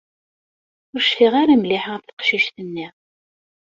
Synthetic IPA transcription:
ʊɾʃfɪʁaɾamlɪħəθθqʃiʃθənːiʁ

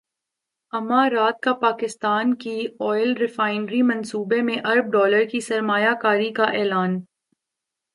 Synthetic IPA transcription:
ɐmãɾaːt̪̚kapaːkɪst̪aːnkiɔːɪlɾɪfaːɪnɾimɐ̃nsuːbemẽʔɐɾb̚ɖɔːləɾkisɐɾmaːjakaːɾikaʔɛːlaːn

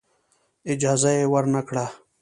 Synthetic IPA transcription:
ɪd͡ʒaːzajewəɾnakɽaː

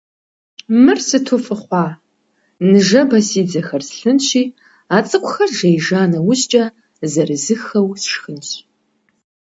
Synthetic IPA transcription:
mɨrsɨtʰʊfɨχʷɑː | nɨʒɐbɐsiːd͡zɐxɐrsɬɨnɕiː | aːt͡sʼɨqʷʊxɐrʒɐjʒaːnɐwʊɕt͡ʃʼɐ | zɐrɨzɨxɐwsʃxɨnɕ

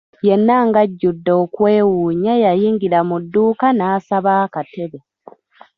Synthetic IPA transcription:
jenːaŋɡaɟːudːo̞ːkwe̞ːwuːɲajajiːŋɡiɾamudːuːkanaːsaβaːkate̞βe

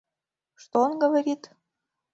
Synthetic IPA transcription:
ʃt̪onɡə̆βaɾʲit̪

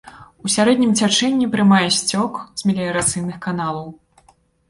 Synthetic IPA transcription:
usʲaɾɛd̪ʲnʲimt͡sʲat͡ʂɛnʲːipɾɨmajɛsʲt͡sʲɔkz̥ʲmʲɛlʲijɐɾat̪sɨjnɨxkan̪alˠɐw

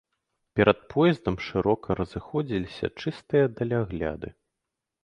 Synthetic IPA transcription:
pʲɛɾʔɐt̪̚pʰɔjɛzd̪ɐmʂɨɾɔkʰɐɾɐzɨxɔd͡zʲilʲisʲɐ̰t͡ʂɨst̪ɨjɐd̪ɐlʲaɣlʲa̰d̪ɨ

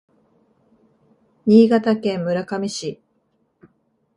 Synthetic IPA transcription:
ɲiːɡat̪akẽ̞mːɯ̟ɾakamʲiɕi

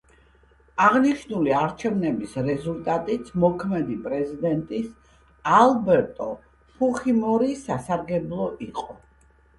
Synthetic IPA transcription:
aʁniʃnuliaɾt͡ʃʰɛvnɛbisɾɛzulˠt̪ʼat̪ʼit̪sʰmɔkʰmɛd̪ipʼɾɛzid̪ɛnt̪ʼis | alˠbɛɾt̪ʼɔ | pʰuχimɔɾisasaɾɡɛblˠɔʔiqʼɔ

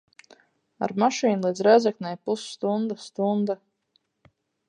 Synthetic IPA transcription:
a̰ɾmaʃiːnlˠiːd̪zɾɛzɛknʲɛjpusːt̪und̪ast̪und̪a

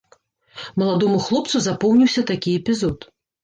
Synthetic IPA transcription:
mɐlˠad̪ɔmuxlˠɔp̚t̪suzapɔwnʲiwsʲɐt̪akʲiɛpʲizɔt̪

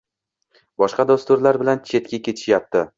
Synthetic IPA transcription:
bɒʃqɑd̪ost̪ʊɾlaɾbɪlant͡ʃʰe̞t̪kʲakʲe̞t̪ʰɪ̥ʃjap̚t̪ɪ

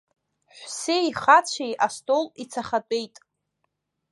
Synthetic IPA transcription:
ħʷseiχat͡ɕʷʰejʔastʼolit͡sʰaχatʼe̞jtʼ

